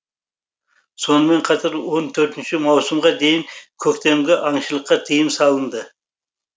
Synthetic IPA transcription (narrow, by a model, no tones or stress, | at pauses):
so̞nəme̞ɴqʰɑt̪ʰɑɾwo̞nt̪ʰɵɾt̪ɪnʃɪmɑwsəmʁɑd̪e̞jɪŋkʲʰɵkt̪e̞mɡʲeʔɑɴʃəlˠəqːɑt̪ʰijəmsɑlˠənd̪ə